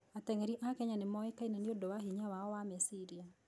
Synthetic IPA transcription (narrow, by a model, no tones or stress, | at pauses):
at̪ɛŋeɾiʔakɛɲanɪmɔɛkainaniodowaɦiɲawaɔwamɛsiɾia